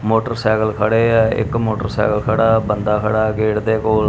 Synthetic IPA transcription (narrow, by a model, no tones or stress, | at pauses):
moːʈəɾsɛːɡəlkʰəɽeːɪ̰kmoːʈəɾsɛ̰ːkəlkʰəɽaːbənd̪aːkʰəɽaːɡeːʈd̪eːkoːl